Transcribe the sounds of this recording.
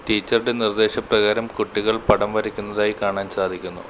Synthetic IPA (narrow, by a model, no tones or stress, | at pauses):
ʈiːt͡ɕːɐɾuɽe̞nird̪e̞ːɕɐprɐɣaːɾɐmkuʈːiɣɐɭpɐɽɐmʋɐɾikʲːunːɐðaːjikaːɳaːnsaːd̪ʱikʲːunːṵ